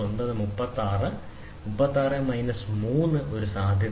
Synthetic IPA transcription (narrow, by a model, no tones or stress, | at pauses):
onbɐðɨmupːɐt̪ːaːrɨ | mupːɐt̪ːaːrɨmɐjnɐsmuːnːɨʔo̞ɾusaːd̪ʱjɐ